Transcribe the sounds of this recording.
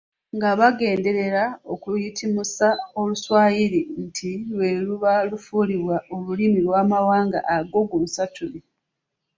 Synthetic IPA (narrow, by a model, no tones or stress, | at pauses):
ŋɡaβaɡe̞ːnde̞ɾe̞ɾao̞kujitʰimusao̞luswaːjiɾintʰilwe̞luβalufuːliβwaolulimilwaːmawaːŋɡa̰ʔaɡo̞ɡulusatʰuli